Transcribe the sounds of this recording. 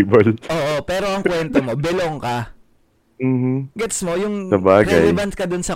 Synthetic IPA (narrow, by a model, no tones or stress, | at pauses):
bɐlʔoːʔopɛːɾo̞ʔɐŋkwɛnt̪omo̞bɛloŋkɐ | m̩ːm̩ɡɛt̪smo̞jʊŋsɐbaːɡɐjɛbɐn̚kɐd̪onsɐ